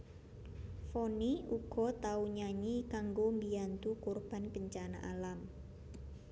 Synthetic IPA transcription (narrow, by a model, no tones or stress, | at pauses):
foniuɡ̥ɔ̤t̪auɲaɲikaŋɡombiant̪ukorb̥a̤npəɲt͡ʃana̰ʔalam